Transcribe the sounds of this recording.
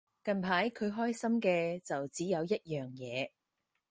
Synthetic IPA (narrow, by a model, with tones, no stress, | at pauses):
kɐ˨npʰaː˨˥jkʰɵ˨˧ɥɦɔː˥jsɐ˥mkɛː˧t͡sɐ˨wt͡siː˨˥jɐ˨˧wjɐ˥t̚jœː˨˩ŋjɛː˨˧